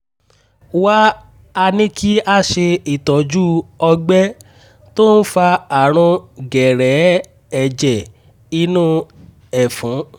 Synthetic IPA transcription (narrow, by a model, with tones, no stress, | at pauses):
wa˦ | a˧nĩ˦kʰi˦a˦˨ʃe˧i˨tɔ˨d͡ʒu˦ɔ˧ɡ͡bɛ˦ | to˦n̩˦fa˧a˨ɾ̃ɔ̃˧ɡɛ˨ɾɛ˨˦ | ɛ˨d͡ʒɛ˨ | i˦nũ˦ | ɛ˨fũ˨˦